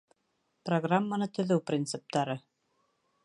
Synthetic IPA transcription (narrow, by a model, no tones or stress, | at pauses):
proɡramːanɤt̪ɵ̆ðɵwprʲint̪sɨp̚t̪ɑɾɤ